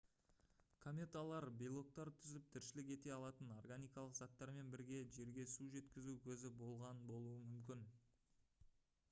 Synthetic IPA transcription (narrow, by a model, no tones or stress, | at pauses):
kʰomʲe̞t̪alˠɑɾbʲijlˠo̞k̚t̪ɑɾt̪ʰʏzɪp̚t̪ʰɪɾʃɪlɪk̬ʲe̞t̪e̞ɑlˠɑt̪əno̞rɡanʲijkɑlˠəqzɑt̪ːɑɾme̞nbɪɾɡʲe̞ʒe̞ɾɡʲe̞suʒe̞t̪kʲɪzukʲʰɵzɪbo̞lˠʁɑnbo̞lˠuəmʏmkʲɪn